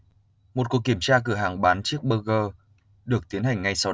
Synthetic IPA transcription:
mo˨˩t̚ku˨˩əkːi˧˩əmt͡ɕaː˧k̬ɨ˧˩əɦaː˨˩ŋɓaː˨˦nt͡ɕi˦˥ək̚ɓəː˧ɣəː˧ | ɗɨ˨˩ək̚t̪i˨˦ənha˨˩jŋ̟ːa˧jsa˧w

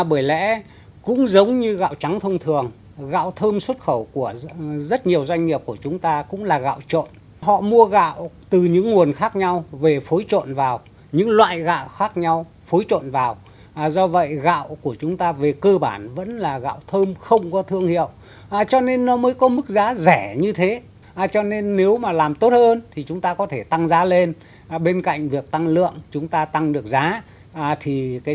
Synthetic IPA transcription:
ɓəː˧˩jlɛ̰˧˥ | kʊ̰˧˥ŋ͡mzə˨˦wŋ͡mɲɨ˧ɣa̰ː˧˨wt͡ɕa˨˦ŋt̪ʰə˧wŋ͡mt̪ʰɨ˨˩əŋ | ɣa̰ː˧˨wt̪ʰəː˧mswə˦˥t̚xə˧˩wku˧˩əzə˦˥t̚ɲi˨˩əwzwa˧jŋ̟ːɲi˨˩əp̚ku˧˩ət͡ɕʊ˨˦ŋ͡mt̪aː˧kʊ̰˧˥ŋ͡mlaː˨˩ɣa̰ː˧˨wt͡ɕo̰˧˨n | ɦɔ̰˧˨mu˧əɣa̰ː˧˨wt̪ɨ˨˩ɲɨ̰˧˥ŋŋu˨˩ənxaː˦˥k̚ɲa˧wve˨˩fo˨˦jt͡ɕo̰˧˨nvaː˨˩w | ɲɨ̰˧˥ŋlwa̰ː˧˨jɣa̰ː˧˨wxaː˦˥k̚ɲa˧w | fo˨˦jt͡ɕo̰˧˨nvaː˨˩w | zɔ˧və̰˧˨jɣa̰ː˧˨wku˧˩ət͡ɕʊ˨˦ŋ͡mt̪aː˧ve˨˩kəː˧ɓaː˧˩nvə̰˧˥nlaː˨˩ɣa̰ː˧˨wt̪ʰəː˧mxə˧wŋ͡mkɔ˨˦t̪ʰɨ˧əŋhḭ˧˨əw | ʔt͡ɕɔ˧ne˧nːɔ˨˦məː˨˦jkɔ˨˦mɨ˦˥k̚zaː˨˦zɛ˧˩ɲɨ˧t̪ʰe˨˦ | ʔt͡ɕɔ˧ne˧nːe˨˦wmaː˨˩laː˨˩mt̪o˦˥t̚həː˧nt̪ʰi˨˩t͡ɕʊ˨˦ŋ͡mt̪aː˧kɔ˨˦t̪ʰe˧˩t̪a˧ŋzaː˨˦le˧n˨ | ɓe˧nka̰˧˨jŋ̟vi˨˩ək̚t̪a˧ŋlɨ̰˧˨əŋt͡ɕʊ˨˦ŋ͡mt̪aː˧t̪a˧ŋɗɨ˨˩ək̚zaː˨˦˨ | t̪ʰi˨˩kaː˨˦

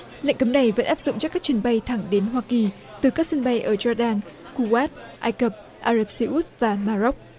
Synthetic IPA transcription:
lə̰˧˨ŋkə˨˦mna˨˩jvə̰˧˥nʔaː˦˥p̚zʊ̰˧˨ŋ͡mt͡ɕkːaː˦˥k̚t͡ɕi˨˧˩ənɓa˧jt̪ʰa˧˩ŋɗe˨˦nɦwaː˧ki˨˩ | t̪ɨ˨˩kaː˦˥k̚sə˧nɓa˧jʔəː˧˩zɔː˧ɗaː˧n | ku˧waː˦˥t̚ʔaː˧jkə˨˧˩p̚ | ʔaː˧zə˦˧˩p̚si˧ʔu˦˥t̚vaː˨˩maː˧zɔ˦˥k͡p̚

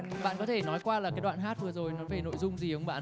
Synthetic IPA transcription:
ɓa̰ː˧˨nkɔ˨˦t̪ʰe˧˩nɔ˨˦jkwaː˧laː˨˩kaː˨˦jɗwa̰ː˧˨nɦaː˦˥t̚vɨ˨˩əzo˨˩jnɔ˨˦faː˧˩no̰˧˨jzʊ˧ŋ͡mzi˨˩ə˧wŋ͡mɓa̰ː˧˨

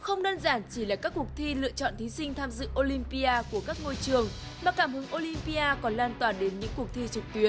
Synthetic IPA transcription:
xə˧wŋ͡mɗəː˧nzaː˧˩nt͡ɕi˧˩˨laː˨˩kaː˦˥kːu˨˩ək̚t̪ʰi˧lɨ̰˧˨ət͡ɕɔ̰˧˨nt̪ʰi˨˦sï˧ŋ̟t̪ʰaː˧mzɨ̰˧˨ʔo˧li˧mpi˧aː˧ku˧˩əkaː˦˥k̚ŋo˧jt͡ɕɨ˨˩əŋ | maː˨˩kaː˧˩mhɨ˨˦ŋʔo˧li˧mpi˧ʔaː˧kɔ˨˦nlaː˧nt̪waː˨˩ɗe˨˦nɲɨ̰˧˥ŋkək̚t̪ʰi˧t͡ɕɨ˨˩k̚t̪wi˨˦ən

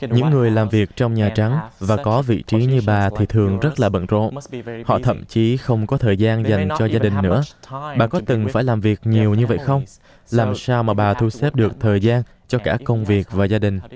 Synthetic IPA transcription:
ɲɨ̰˧˥ŋːɨ˨˩əjlaː˨˩mvi˨˩ək̚t͡ɕɔ˧wŋ͡mɲaː˨˩t͡ɕa˨˦ŋvaː˨˩kɔ˨˦vḭ˧˨t͡ɕi˨˦ɲɨ˧ɓaː˨˩t̪ʰi˨˩t̪ʰɨ˨˩əŋzə˦˥t̚laː˨˩ɓə̰˧˨nzo̰˧˨nhɔ̰˧˨t̪ʰə̰˧˨mt͡ɕi˨˦xə˧wŋ͡mkɔ˨˦t̪ʰəː˨˩jzaː˧nza˨˩jŋ̟t͡ɕɔ˧zaː˧ɗï˨˩ŋ̟nɨ̰˧˥əɓaː˨˩kɔ˨˦t̪ɨ˨˩ŋfaː˧˩jlaː˨˩mvi˨˩ək̚ɲi˨˩əwɲɨ˧və̰˧˨jxə˧wŋ͡m | laː˨˩msaː˧wmaː˨˩ɓaː˨˩t̪ʰu˧sɛ˦˥p̚ɗɨ˨˩ək̚t̪ʰəː˨˩jzaː˧n | t͡ɕɔ˧kaː˧˩kə˧wŋ͡mvi˨˩ək̚vaː˨˩zaː˧ɗï˨˩ŋ̟

